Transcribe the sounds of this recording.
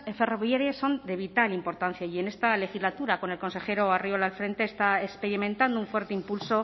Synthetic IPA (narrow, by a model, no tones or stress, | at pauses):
efe̞ro̞βjaɾjesːo̞nd̪e̞βit̪alimpo̞ɾt̪an̟θjaie̞ne̞st̪ale̞xizlat̪uɾako̞ne̞lko̞nse̞xe̞ɾo̞ariolalfɾe̞nt̪e̞ːst̪aekspe̞ɾimẽ̞nt̪and̪ouɱfwe̞ɾt̪e̞impulso̞